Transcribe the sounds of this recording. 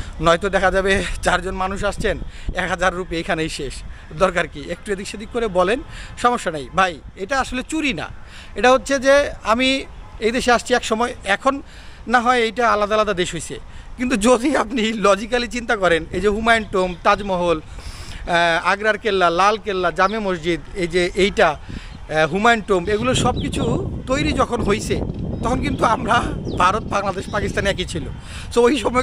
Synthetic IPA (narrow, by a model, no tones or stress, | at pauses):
nɔjt̪od̪ɛkʰad͡ʑabet͡ɕaɾd͡ʑonmanuʃ̬aʃt͡ɕʰenɛkɦad͡ʑaɾːupeejkʰanejʃeʃ | d̪ɔɾkaɾkiek̚ʈued̪ʱikʃod̪ikkːoɾebɔlenʃɔmoʃːanejbʱajejʈaaʃolet͡ɕuɾina̰ | eʈaɦotːɕʰed͡ʑeamiejd̪eʃeaʃt͡ɕʰiɛkʃɔmɔeɛkʰonː | aɦɔeejʈaalːad̪alad̪ad̪eʃɦojt͡ɕʰḛkint̪ud͡ʑod̪ʱiapnilɔd͡ʑikalit͡ɕint̪akɔɾenejd͡ʑeɦumajɳʈomt̪ad͡ʑmɔɦol | aɡɾaɾkelːalalkelːad͡ʑamemosd͡ʑid̪ed͡ʑeʔejʈa | ɦumajɳʈomeɡuloɾʃɔb̚kit͡ɕʰut̪ojɾid͡ʑɔkʰonɦojt͡ɕʰet̪ɔkʰonk̬int̪uamɾabʱaɾot̪̚baŋlad̪eʃpakist̪aneɛk̬it͡ɕʰilo̰ | t̪oojʃɔmɔ